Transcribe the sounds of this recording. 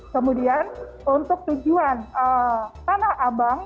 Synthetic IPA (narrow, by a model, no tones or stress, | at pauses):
kəmudian | unt̪ʊk̚t̪ud͡ʒuanət̪anahabaŋ